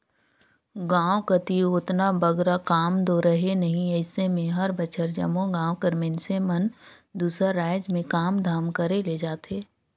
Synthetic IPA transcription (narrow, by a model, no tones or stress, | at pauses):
ɡãːwkət̪iʊt̪nabəɡɾakaːmd̪oːɾəɦenɐɦĩəɪsemẽɦɐɾbət͡ʃʰəɾd͡ʒɐ̰mõɡãːwkəɾmensemən | d̪uːsəɾːaːɪd͡ʒmẽkaːmd̪ʱaːmkəɾeled͡ʒaːt̪eː